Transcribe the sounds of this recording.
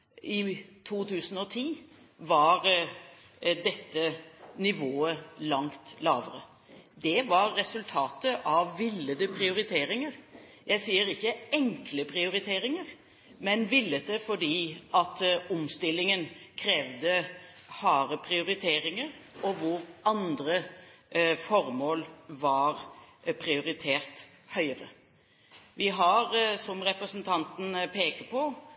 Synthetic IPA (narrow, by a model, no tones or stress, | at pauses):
ʔɪt̪ʰuːt̪ʰʉːsən̩ɔt̪ʰiː | ʋɑɾ | d̪ɛt̪ːənɪʋoːəlɑŋt̪lɑːʋəɾə | d̪ɛʋɑɾːɛsʉlt̪ʰɑːt̪əʔɑʋːɪlːəd̪əpʰɾɪʊɾɪt̪ʰeːɾɪŋəɾ | jæɪsiːəɾɪçːəɛŋkləpʰɾɪʊɾɪt̪ʰeːɾɪŋəɾ | mɛnʋɪlːəd̪ɛfɔɖiːɑt̪ʊmst̪ɪlːɪŋənkʰɾeːʋd̪ə | hɑːɾəpʰɾɪʊɾɪt̪ʰeːɾɪŋəɾɔʋʊɾɑnd̪ɾə | fɔɾmoːlʋɑɾpʰɾɪʊɾɪt̪ʰeːɾt̪hœʏəɾə̰ | ʋɪɦɑɾsɔmɾɛpɾəsnt̪ʰɑnt̪n̩pʰeːkəpʰɔ